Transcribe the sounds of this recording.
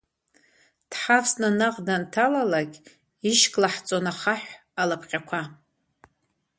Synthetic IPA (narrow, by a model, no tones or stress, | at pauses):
d̥ħafsnanaqʼdantʰalalakʲ | iʃkʼlaħt͡sʼonaχaħʷ | alapʰqʲʼakʷʰa